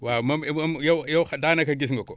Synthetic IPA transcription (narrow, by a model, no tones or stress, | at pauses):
wamamjajaxadanakaɡis̬ŋɡako